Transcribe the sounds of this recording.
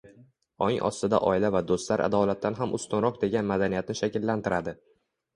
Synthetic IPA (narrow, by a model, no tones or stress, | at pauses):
ɒŋʔɒ̰st̪ɪd̪a̰ʔɒ̰ɪlavad̪ost̪laɾʔa̰d̪ɒlat̪ʰːanɦamʔʊst̪ʊnɾɒq̚d̪e̞ɡʲanmad̪anijat̪nɪʃakʲɪlːant̪ɪɾad̪ɪ